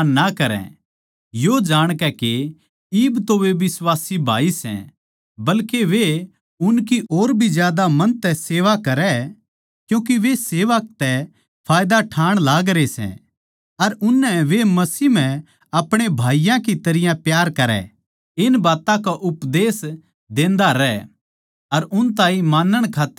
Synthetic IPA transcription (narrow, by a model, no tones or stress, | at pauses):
nakɐɾɛ̰̃ | jod͡ʒaːɽ̃kɛke | iːbt̪oʋeʋɪswaːsibʱa̰ːisɛ̰̃ | bɐlkeʋe | ʊnkiʔoːɾbʱizjaːd̪amɐnt̪ɛseːʋakɐɾɛ | kjũːk̬iʋeseːʋək̚t̪ɛ | pʰaːjd̪aʈʰaːɽ̃laːɡɾesɛ̰̃ | ɐɾʊnːɛʋemɐsiːm̤ɛ̃ | ɐpɽ̃ebʱaːijãkit̪ɐɾɪjãpjaːɾkɐɾɛ̰ | ɪnbaːt̪ãkaʔʊpd̪eːs | d̪ẽːnd̪aɾɛ | ɐɾʊnt̪ãːĩmaːnːəɽ̃kʰaːt̪ː